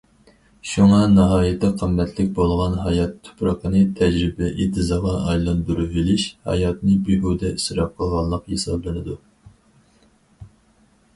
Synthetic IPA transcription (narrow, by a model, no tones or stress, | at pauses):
ʃuŋɑnɑɦɑːjɨt̪ʰɛqʰəmːɛt̪ʰlɪkʲbolˠʁɑnɦɑjɑt̪ʰːu̥pɾɑqʰənɨt̪ʰɛd͡ʒɾɪbɛʔit̪ʰɨzɑʁɑʔɑjlˠɑnd̪uɾuvilɪʃhɑ̰jɑt̪nɨbiɦud̪ɛisɾɑp̚qʰəlˠʁɑlˠːəqhesɑblˠɨnɨd̪u